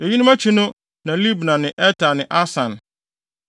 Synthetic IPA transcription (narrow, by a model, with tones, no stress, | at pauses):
e˨ji˦nʊ̃˦mæ˦t͡ɕʰi˦nʊ̃˦ | nã˨li˦bnã˨nɪ̃˨ʔɛ˦tʰa˨nɪ̃˨ʔa˦sã˨n